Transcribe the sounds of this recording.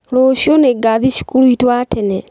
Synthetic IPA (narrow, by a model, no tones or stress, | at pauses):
ɾoʃioneɡaðiʃi̥kuɾuitwatɛnɛ